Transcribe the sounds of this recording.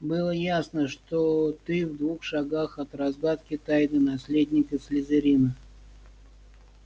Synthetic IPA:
bɨlˠəjasnəʂt̪ot̪ɨvd̪vuxʂaɡaxɐt̪rɐzɡat̪kʲɪt̪ajd̪ɨnɐsʲlʲed̪ʲnʲɪkəsʲlʲɪzʲɪɾʲinə

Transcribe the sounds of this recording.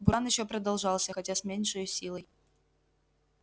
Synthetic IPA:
bɑnjɪɕːopɾɐd̪ɐlˠʐɑlˠsʲəxɐtʲasʲmʲenʲʂɨjʊsʲilˠəj

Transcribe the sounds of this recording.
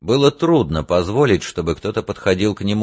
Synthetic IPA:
bɨlˠət̪ɾud̪nəpɐzvo̞lʲɪtʲʂt̪o̞bɨkt̪o̞t̪əpət̪xɐdʲilˠknʲɪmu

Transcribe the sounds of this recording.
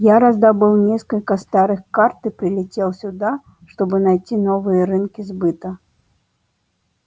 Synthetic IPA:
jaɾazd̪abɨlˠnʲeskɐlʲkɐst̪aɾɨxkart̪ɨpɾɪlʲɛt͡sʲelˠsʲud̪a | ʂt̪ɔbɨnajt͡sʲinɔvɨjɐɾɨnkʲizbɨt̪ɐ

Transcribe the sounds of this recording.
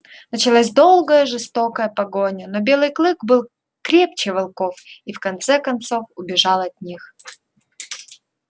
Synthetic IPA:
nət͡ɕɪlˠazʲd̪o̞lˠɡəjəʐɨst̪o̞kəjəpɐɡo̞nʲənobʲe̞lˠɨjklˠɨkbɨlˠ | kɾʲep̚t͡ɕɪvɐlˠko̞fifkɐnt̪sɛkɐnt̪so̞fʊbʲɪʐɑlˠɐt̪̚ʲnʲix

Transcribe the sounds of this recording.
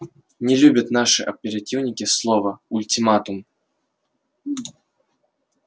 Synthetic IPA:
nʲɛlʲubʲɐt̪naʂɨʔɐpʲɛɾat̪ʲiwnʲikʲislˠɔvɐulʲt̪ʲimat̪um

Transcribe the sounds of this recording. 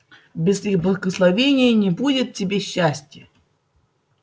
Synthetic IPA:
bʲɪzixblˠəɡəslˠɐvʲenʲɪjənʲɪbudʲɪt̪̚tʲːɪbʲeɕːæsʲtʲjə

